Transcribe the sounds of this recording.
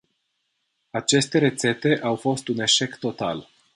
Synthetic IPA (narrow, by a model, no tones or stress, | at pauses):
at͡ʃe̞st̪e̞ɾe̞t̪se̞t̪e̞ʔawfo̞st̪une̞ʃe̞kt̪o̞t̪al